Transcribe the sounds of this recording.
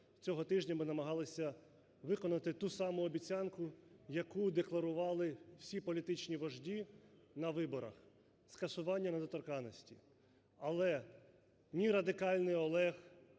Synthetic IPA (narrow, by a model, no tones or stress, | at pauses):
t͡sʲɔɦɔt̪ɪʒnʲɐmɪnɐmɐɦɑlˠɪsʲɐ | ʋɪkɔnɐt̪ɪt̪usɑmʊɔbʲit͡sʲɑnkʊjɐkud̪eklˠɐɾʊʋɑlˠɪw̥sʲipɔlʲit̪ɪt͡ʃnʲiʋɐʒdʲinɐʋɪbɔɾɐ̰x | skɐsʊʋɑnʲːɐnɐd̪ɔt̪ɔrkɑnɔsʲtʲḭ | ɐlˠɛ | nʲiɾɐd̪ɪkɑlʲnɪjɔlˠɛx